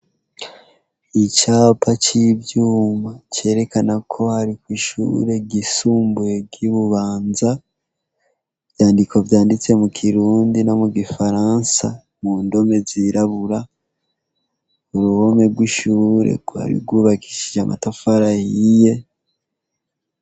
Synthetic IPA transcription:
it͡ʃaːpat͡ʃibjuːmat͡ʃe̞ːɾe̞kanakʰo̞haɾikwiʃṵɾe̞ɡisuːmbuje̞ɡiβuβaːnza | vjaːndiko̞vjaːndit͡se̞mukʰiɾuːndino̞muɡifaɾaːnsa | muːndo̞me̞ziɾaβuɾa | uɾuho̞me̞ɡwiʃuːɾe̞̰ɡwa̰ɾḭɾɡwuːβaki̥ʃiʒamʔa̰tafaɾahije̞

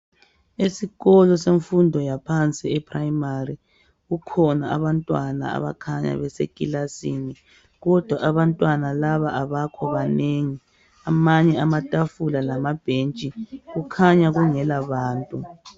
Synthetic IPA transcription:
esiɣɔlɔseɱfundʱɔjapʰant͡sʼiɛpʰrajimari | ɣukʰɔnaa̰βantʼwana̰a̰βa̰kʰaɲa̰βɛsḛkʼilasini | ɣɔd̥ʱwaʔaβantʼwanalaβaʔaβakʰɔβaneŋi | amaɲɛamatʼafulalamab̥ʱent͡ʃʼiɣukʰaɲaɣuŋɛlaβaːntʼu

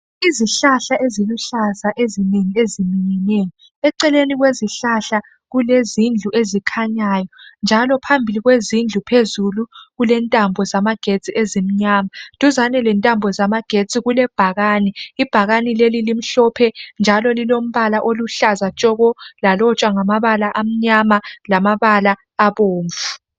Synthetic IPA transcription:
iziɬaɬaʔeziluɬazaʔezineŋiezimiɲɛnejɔ | ɛǀɛleniɣweziɬaɬa | ɣulezind͡ɮʱuʔezikʰaɲaːjɔnd͡ʒʱalɔpʰambʱiliɣwezind͡ɮʱupʰezuluɣulɛntʼambʱɔzamaɡ̥ʱet͡sʼiʔezim̩ɲamatʼuzanɛlɛntʼambʱɔzamaɡ̥ʱet͡sʼiɣulɛb̥ʱaɣanɛib̥ʱaɣanilelilim̩ɬɔpʰɛnd͡ʒʱalɔlilom̩βalaʔoluɬazat͡ʃʼɔɣɔlalɔt͡ʃʼwaŋamaβalaʔam̩ɲamalamaβalaː | βoːɱvu

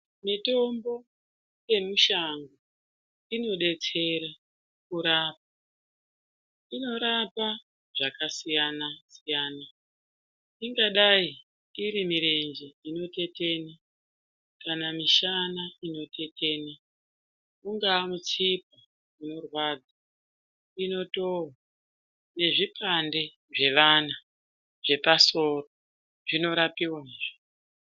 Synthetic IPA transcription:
mito̞mbo̞ | je̞muʃaŋɡo | ino̞ɗe̞t͡se̞ɾa | kuɾaːp̚ḁ | ino̞ɾapa | ʐ̥akasijanasijaːna | iŋɡaɗai | iɾimiɾe̞nd͡ʒeino̞te̞te̞ːna | kanamiʃanaino̞tʰe̞tʰe̞ːna | uŋɡaːmut͡sip̚a | uno̞rwad͡za | ino̞towa | ne̞ʐipʰande̞ | ʐe̞ʋana | ʐ̥e̞paso̞ro | ʐino̞ɾapiwaɦiʐo

